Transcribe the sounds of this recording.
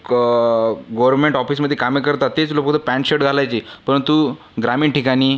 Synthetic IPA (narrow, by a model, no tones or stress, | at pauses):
ɡoʋɾɾɳmeɳʈɔfiːs̬məd̪ʱjekamekəɾt̪at̪ːet͡slopəkt̪ʰəpɛ̃ɳʈɕeʈd͡zʱalajt͡ɕiːpəɾənt̪u | ɡɾamiːɳʈikaniː